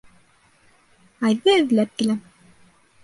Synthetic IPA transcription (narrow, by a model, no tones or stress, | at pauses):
ɑjðɤɘ̆ðlæp̚t̪ɘ̆læm